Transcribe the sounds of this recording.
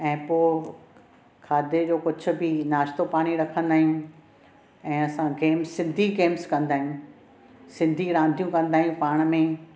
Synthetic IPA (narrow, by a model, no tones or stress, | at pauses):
ɛ̃ːpoː | kʰaːd̪ʱed͡ʑoːkʊd͡ʑʱʊ̆bɪnaːʃt̪opaːɽ̃iɾɐkʰə̃nd̪aːɦĩjũ | ɛ̃ːɐsãɡeːmssɪ̃nd̪ʱiɡeːmskɐ̃nd̪aːɦĩjũ | sɪ̃nd̪ʱiɾãːn̆d̪ʱijũkɐ̃nd̪aːɦĩũpaːɽ̃mẽ